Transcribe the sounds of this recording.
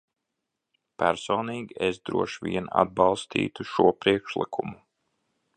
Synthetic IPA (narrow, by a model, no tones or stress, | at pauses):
pæɾsoːniːɡʲiesd̪ɾuɔʃvʲiɛna̰d̪̚bɑlˠst̪ʰḭːt̪uʃuɔpɾiɛkʃlˠḭkʰumu